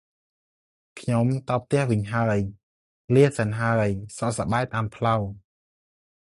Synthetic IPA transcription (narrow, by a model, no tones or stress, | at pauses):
kʰɲomt̪ɑːp̚t̪ɛ̆əhʋɨɲɦaəj | liəhsanɦaəjsɑʔsaɓaɛɓaːnpʰlaw